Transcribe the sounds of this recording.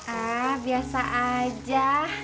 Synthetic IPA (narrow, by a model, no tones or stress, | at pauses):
abiasaʔad͡ʒa